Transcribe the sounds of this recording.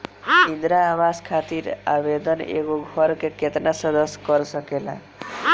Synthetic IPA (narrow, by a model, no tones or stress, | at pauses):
ind̪ɾaːbaskʰat̪iɾa̰bed̪ɔnḛkuɡʱɔɾɔkeket̪nasɔd̪ɔskɔɾɔsɔkela̰